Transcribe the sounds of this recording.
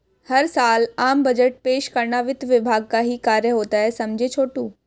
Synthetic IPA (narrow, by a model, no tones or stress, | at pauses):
hɐɾsaːlaːmbɐd͡ʒəʈ̚peːʃkɐɾɳaʋɪt̪ʋɪbʱaːɡ̚kaɦikaːɾjəɦoːt̪aɦɛsɐmd͡ʒʱet͡ʃʰoːʈuː